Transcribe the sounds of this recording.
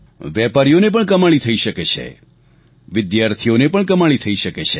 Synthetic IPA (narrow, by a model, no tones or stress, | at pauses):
ʋɛpaɾijonep̬əɳkəmaɭit̪ʰəiʃəket͡ʃʰḛ | ʋɪd̪jaɾt̪ʰijonepəɳkəmaɭit̪ʰəiʃəket͡ʃʰe